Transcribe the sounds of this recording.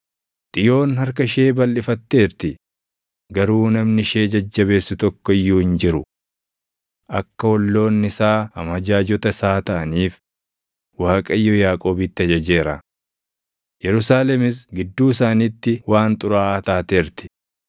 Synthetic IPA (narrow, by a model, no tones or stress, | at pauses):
t̪ʼɪjo̞ːnhɐɾkɐʃe̞ːbɐlːɪfɐt̪ːe̞ːɾt̪ɪ | ɡɐɾuːnɐmnɪʃe̞ːd͡ʒɐd͡ʒːɐβe̞ːsːʊt̪ɔkːɔɪjːuːhɪnd͡ʒɪɾʊ | ʔɐkːɐwɔlːo̞ːnːɪsaːɐ̰mɐd͡ʒaːd͡ʒɔt̪ɐsaːt̪ɐʔɐniːf | waːkʼɐɪjːɔjaːkʼo̞ːbit̪ːɪɐd͡ʒɐd͡ʒe̞ːɾɐ̰ | jɛɾʊsaːlɛmɪs̬ɡɪd̪ːuːɪs̬aːniːt̪ːɪwaːnt̪ʼʊɾaːʔt̪aːt̪eːɾt̪ɪ̥